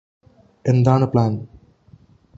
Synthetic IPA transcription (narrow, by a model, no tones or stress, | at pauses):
end̪aːɳɨpɭaːn